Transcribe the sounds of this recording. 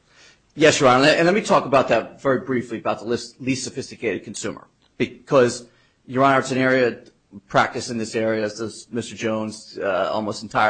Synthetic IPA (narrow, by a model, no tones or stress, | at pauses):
jɛsjə˞ɑ̃nɨɨ̃nlɛt̚mitʰɔkəbaʊt̪̚ðɨt̚vɛɹibɹifliɨbaʊt̪̚ðəlɪslistsɨfɪstɨkʰeɪɾɨd̚kʰn̩sʉ̰̃mə̰˞ | b̥ɨkʰʌz | jə˞ə̃naʊə˞tʰɨ̃nɛɹiɨ | pʰɹ̥æ̰k̚tɨsɨ̃nðɪsɛɹiɨzðʌzmɪstə˞d͡ʒõʊ̃nzʌɔ̰lˠmoʊstn̩tʰaɪə